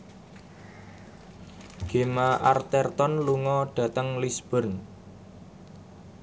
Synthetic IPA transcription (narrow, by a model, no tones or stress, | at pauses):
ɡ̥e̤maʔart̪ɛrt̪ɔnluŋɔɖ̥ä̤t̪əŋlisb̥ə̤rn